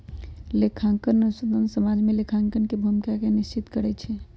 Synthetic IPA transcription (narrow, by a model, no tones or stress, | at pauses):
lekʰaŋkənəsəd̪ənsəmad͡ʒmelekʰãŋkənkebʱumikakenist͡ʃit̪kəɾɛt͡ʃʰɛ